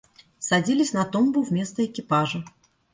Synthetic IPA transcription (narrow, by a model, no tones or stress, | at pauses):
sɐdʲilʲɪsʲnɐt̪ombʊvmʲe̞st̪əɪkʲɪpaʐə